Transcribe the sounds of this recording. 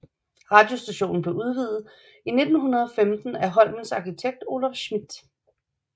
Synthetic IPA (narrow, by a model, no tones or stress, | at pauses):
ʁɑ̈ːd̥jo̝sd̥æɕo̝̰ːn̩b̥le̝uð̞ˠʋið̞ˠð̩ˠ | ine̝d̥n̩ɦunɐð̞ˠɒ̽femd̥n̩æɦɒ̽l̰mən̩sɑ̈kʰit͡sʰeɡ̥̚d̥o̝ːlɑfɕmid̥